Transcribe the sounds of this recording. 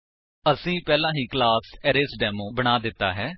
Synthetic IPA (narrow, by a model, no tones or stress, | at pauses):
əsĩːpɛːlãːɦĩːklaːsɛːɾesɖɛːmõːbəɽ̃aːd̪ɪt̪ːa̰ːɦɛː